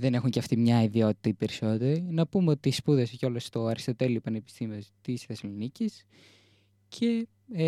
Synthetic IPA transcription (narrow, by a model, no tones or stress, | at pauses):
ðe̞ne̞xuɲceɐft̪imɲɐiðio̞t̪i̥t̪ɐipe̞ɾiso̞t̪e̞ɾinɐpumeo̞t̪iːspuðeseceo̞lost̪o̞ɐɾçist̪ot̪eliopɐne̞pi̥st̪imiost̪isθesɐlonicis | cʰe̞